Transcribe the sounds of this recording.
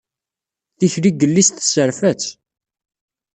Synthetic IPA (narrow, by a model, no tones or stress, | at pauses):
θiçliɡəlːist̪ə̥səɾfæt͡s